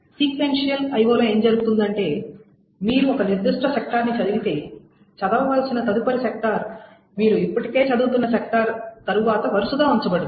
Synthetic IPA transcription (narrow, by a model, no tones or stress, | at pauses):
sikʋenʂijɐlɐjʋoːloːe̞ːɲd͡ʒɐɾuɡut̪und̪ɐɳʈe̞ː | miːɾuɔkɐniɾd̪uʂʈʰɐsek̚ʈɐɾnit͡ʃɐd̪uɡit̪e̞ː | t͡ʃɐd̪ɐmɐʋɐlsinɐt̪ɐd̪upɐɾisek̚ʈɐɾ | miːɾuipːɐʈike̞ːt͡ʃɐd̪uːt̪unːɐsek̚ʈɐɾt̪ɐɾuʋaːt̪ɐʋɐɾusud̪aːuɲt͡ʃɐbɐɽɐd̪